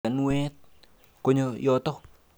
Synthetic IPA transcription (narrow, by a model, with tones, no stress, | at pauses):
a˨nwɛ˦t̚ | ko˦ɲojɔ˨tɔ˦